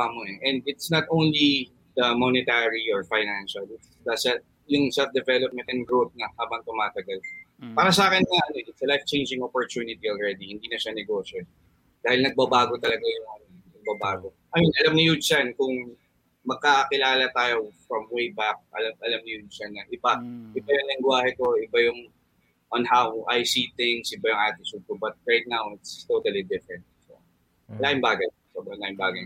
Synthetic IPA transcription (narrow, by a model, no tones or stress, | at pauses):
moɛʔɛnd̪ɪt̪snɐt̪ʔõwnli | d̪ɐmonɪt̪aɹiɔɹfajnanʃɐlɪt̪sd̪asɐ | jʊŋsɛlf̚d̪ɛvɛlop̚mɛ̃nt̪ɛnɡɹot̪̚nɐhaːbɐŋt̪ʊmaːt̪ɐɡɐlpaːɾɐsɐaːkɪnŋɐʔɐnoɪt̪sɐlajft͡ʃẽjnd͡ʒɪ̃ŋopɔɹt̪unɪt̪ioɔlɹɛd̪ihɪ̃nd̪iːnɐʃanɛɡoːʃo | d̪aːhɪlnɐɡ̚bɐbaːɡo̞t̪ɐlɐɡajʊŋɐnonɐɡ̚bɐbaːɡo | ʔɐjɪnɐlamnɪjʊsankʊŋ | mɐɡ̚kakɪlaːlɐt̪aːjofɹɐmwejbak̚ʔɐ̰lamʔɐlamnɪjʊsanːɐʔɪbaʔɪbajʊŋlɪŋɡwaːhɛko̞ɪbajʊŋ | ʔonhawʔajsit̪ɪŋsʔɪbajʊŋʔaːt̪ɪsuɡkʊbɐt̪̚ɹajt̪̚nawɪt̪st̪ot̪ɐlid̪ɪfɹɛnt̪̚s | ɐlaʔɪŋbaːɡɐj | soːbɾɐŋlaɪmbaːɡɐj